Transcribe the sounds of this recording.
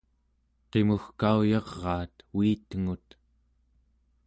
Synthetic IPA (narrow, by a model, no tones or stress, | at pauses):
qemuxkaujɑʁːɑːt̪wiːt̪əŋut̪